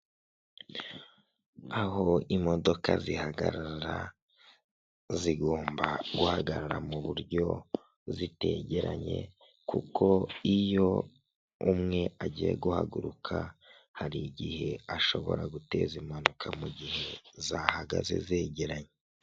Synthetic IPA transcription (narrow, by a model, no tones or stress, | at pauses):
aho̞imo̞do̞kazihaɡaɾaɾa | ziɡo̞ːmbaɡ̥uhaɡaɾaɾamuβuɾɟo̞ | zite̞̰ːɟeɾʔaɲe̞̰ | kukʰo̞ijo̞ | umŋe̞ʔaɟijḛɡuha̰ɡuɾukʰa | haɾiɟihe̞aʃo̞βo̞̰ɾaɡute̞̰ːzimanukʰamuɟihe̞zahaɡaze̞̰zeɟeɾaɲe